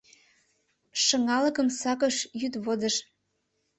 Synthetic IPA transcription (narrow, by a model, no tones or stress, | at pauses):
ʃɤ̆ŋɑlɤ̆kə̆msɑkɤʃjyt̪βod̪əʃ